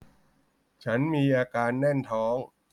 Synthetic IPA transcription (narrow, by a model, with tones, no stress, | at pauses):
t͡ɕʰa˦˥nmiː˧ʔaː˧kaː˧nːɛ˥˩nt̪ʰɔː˦˥ŋ